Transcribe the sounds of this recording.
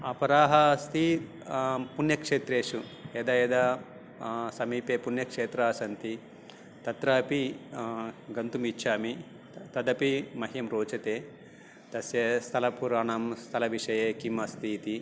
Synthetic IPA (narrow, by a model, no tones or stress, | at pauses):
ɐpɐɾaːɦɐst̪i | punjɐkʂeːt̪ɾeːʂueːd̪aːeːd̪aː | sɐmiːpeːpunjɐkʂeːt̪ɾaːsɐnt̪i | t̪ɐt̪ɾaːpi | ɡɐnt̪umit͡ʃʰːaːmi | t̪ɐd̪ɐpimɐɦjɐmɾoːt͡ʃɐt̪eː | d̪̥ɐsjɐst̪ʰɐlɐpuɾaːɳɐmst̪ʰɐlɐʋiʂɐjeːkimɐst̪ʰiːt̪i